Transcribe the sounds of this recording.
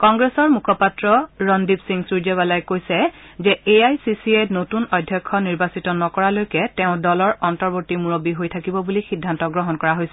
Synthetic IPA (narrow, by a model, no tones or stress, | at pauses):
kɔŋɡɹesɔɹmukʰɔpatɹɔɹɔndipsiŋsuɹd͡ʒɛβalajkojsɛ | zɛeajsisienotunɔjdʱːjɔkʰːɔniɹbasitɔnɔkɔɹalojkɛtɛʊ̃dɔlɔɹɔntɔɹbotimuɹobiɦojtʰakibɔbulixidʱːantɔɡɹɔɦɔnkɔɹaɦojsɛ